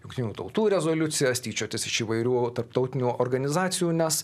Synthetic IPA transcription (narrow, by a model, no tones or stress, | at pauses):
jʊŋkt̪ʲɪnʲuːt̪ɐʊt̪uːɾʲɛzoːlʲʊt̪sʲɪjɛsʲt̪ʲiːt͡ʃʲoːt̪ʲɪsɪʃiːʋɐɪɾʲuːt̪ɐɾp̚t̪ɒʊt̪ʲɪnʲuːʔoːɾɡɐnʲɪzɑːt̪sʲɪjuːnʲɛs